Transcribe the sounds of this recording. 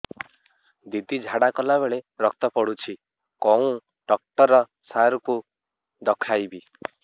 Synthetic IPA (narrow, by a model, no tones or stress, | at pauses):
d̪id̪id͡ʒʱaɽakɔlaβeɭeɾɔkt̪ɔpɔɽut͡ʃʰi | kɔũ | ɖɔk̚ʈɔɾɔ | saɾku | d̪ɔkʰajbi